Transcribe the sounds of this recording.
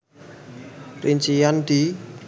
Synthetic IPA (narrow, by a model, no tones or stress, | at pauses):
riɲt͡ʃijand̪̥i